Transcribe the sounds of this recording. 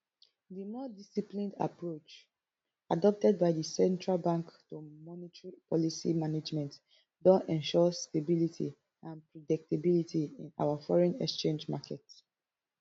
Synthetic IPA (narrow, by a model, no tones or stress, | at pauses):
dimɔdisiplĩnda̰pɹot͡ʃ | adɔp̚tɛd̚baɪdisɛ̃ntɹalbãŋktomɔnitɹipʰɔlisḭmaned͡ʒmɛ̃nt | dɔ̃nɛ̃nʃɔstebilitʰḭ | ãnpɹɔdɛk̚tebilitʰiĩna̰wafɔɹɛ̃nɛkst͡ʃẽnd͡ʒmakʰɛt